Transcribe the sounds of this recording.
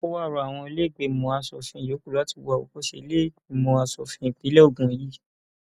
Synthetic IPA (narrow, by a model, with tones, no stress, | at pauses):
o˦wa˦˨ɾɔ˧˨a˨w̃ɔ̃˧e˧le˦˨ɡ͡be˨˧˨mɔ̃˧a˧sɔ̰˨fĩ˧˨jo˨˦ku˦˨la˨˦ti˧wa˧˨o̰˨ko˦ʃḛ˦˧˦le˦˨i˨mɔ̃˧˨a˧sɔ˨fĩ˧˨k͡pi˨˦lɛ˦o˦˨ɡũ˨ji˦